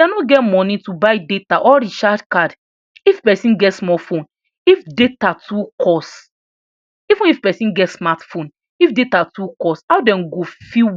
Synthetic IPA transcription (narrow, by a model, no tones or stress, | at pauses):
dɛnɔɡɛtmɔ̃nitubaɪdetaʔɔɾiʃadkad | ifpɛsĩnɡɛtsmɔfõn | ifdetatukʰɔs | ivũnifpɛsĩnɡɛtsmatfõn | ifdetatukɔsawdɛ̃nɡofi